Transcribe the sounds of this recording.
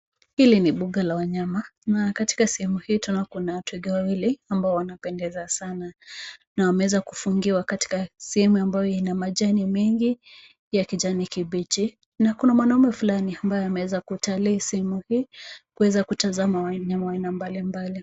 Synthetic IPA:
hiliniɓuɡalawaɲamanakati̥kasɛhɛmuhiːtunakunawatuwɛɡɛwawiliambaɔwanapɛndɛzasananawamɛwɛzakufuŋɡiwakati̥kasɛhɛmuambajɔinamaʄanimɛŋɡi | jakid͡ʒanikibit͡ʃi | nakunamwanaumɛfulaniambajɔamɛwɛzakutalisɛhɛmuhiːkuwɛzakutazamawaɲamawainambalimbali

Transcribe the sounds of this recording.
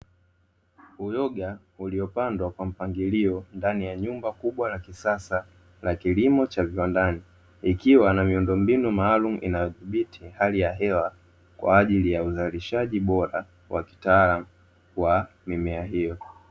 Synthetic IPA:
ujɔɠa | uliɔpandwakwam̩paŋɡiliɔndanijaɲumbakuɓwalakisasa | lakilimɔt͡ʃaviwandani | ikiwanamiundɔmbinumaːlumuʔḭnajɔðiɓitʰihalijaɦɛwa | kwa̰ːʄilijauzaliʃaʄiɓɔɾa | wa̰ki̥taalamu | wa | mimɛaɦijɔ

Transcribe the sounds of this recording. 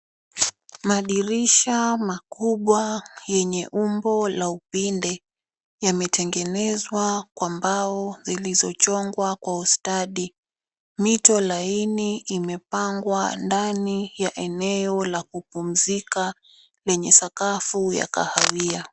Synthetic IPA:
maɗiɾiʃamakuɓwajɛɲɛʔumbɔlaupindɛ | jamɛtɛŋɡɛnɛzwakwambaɔzilizɔt͡ʃɔŋɡwakwaustaɗi | mitɔlainiːmɛpaŋɡwandanijaʔɛnɛɔlakupum̩zika | lɛɲɛsakafuja̰ka̰hawia

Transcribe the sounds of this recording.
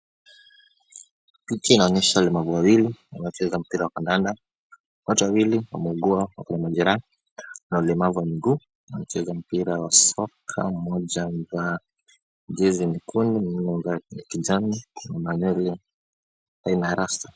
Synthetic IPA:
pitiːnaɔɲɛʃaulɛmavuwawiliwa̰nat͡ʃɛzam̩piɾawakandanda | watuwawiliwa̰mɛuɡuawakaɲamaʄɛɾan | naulɛmavuwamiɡuː | wanat͡ʃɛzam̩piɾawasɔkʰa̰mɔʄaza | d͡ʒɛzinikʰunimninɔŋɡaakid͡ʒaninamaɲɛli | ainaɾasta

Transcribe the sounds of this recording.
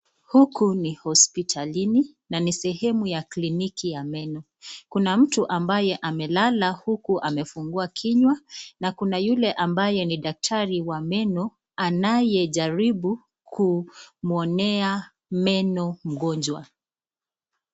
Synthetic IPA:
hukunihɔspitʰalini | nanisɛɦɛmujaklinikijamɛnɔ | kunam̩tuʔambajɛʔamɛlalahukuʔamɛfuŋɡuakʰiɲwanakunajulɛʔambajɛniɗak̚tʰaɾiwamɛnɔ | anajɛʄaɾiɓu | kʰumɔnɛa | mɛnɔm̩ɠɔɲd͡ʒwa

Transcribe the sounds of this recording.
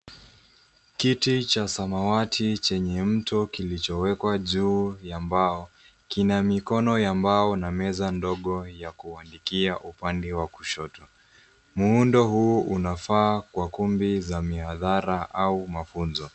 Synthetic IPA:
kitit͡ʃasamawatʰit͡ʃɛɲɛm̩tɔkilit͡ʃɔwɛkwaʄuːjambaɔ | kinamikɔnɔjambaɔnamɛzandɔɠɔjakuandikiaʔupandɛwaku̥ʃɔtɔ | muundɔhuʔunafaːkwakumbizamihaðaɾaʔaumafunzɔ

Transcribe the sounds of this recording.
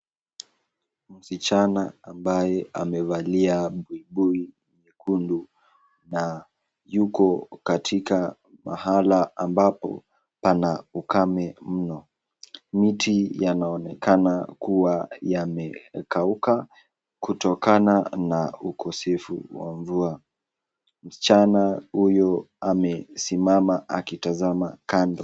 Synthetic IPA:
m̩sit͡ʃanaːmbajɛamɛvaliaɓuibui | mɛkundu | na | jukɔkatʰika | ma̰halaambapɔ̰ | panaukamɛm̩nɔ | mitʰijanaɔnɛkanakuwajamɛkauka | kutɔkananaukʰɔsɛfṵwa̰ɱvua | m̩st͡ʃanahujɔ | amɛsimamaʔakitazamakandɔ

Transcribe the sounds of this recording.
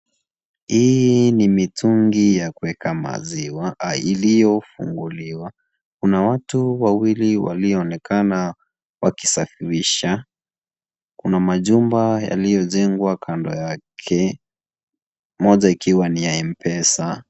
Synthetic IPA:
hiinimitʰuŋɡijakuwɛkʰama̰ziwailijɔfṵŋɡuliwa | kunawatuwawiliwa̰liɔːnɛkana | wakisafiɾiʃa | kunamaʄumbaja̰lijɔʄɛŋɡwakʰandɔ̰jakʰɛ | mɔʄaikiwanijaim̩pɛsa

